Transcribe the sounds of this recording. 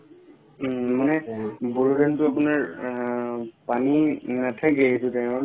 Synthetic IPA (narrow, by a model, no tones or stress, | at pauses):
manɛbuɹudɛntʊapʊnaɹ | paninatʰakɛetʊtama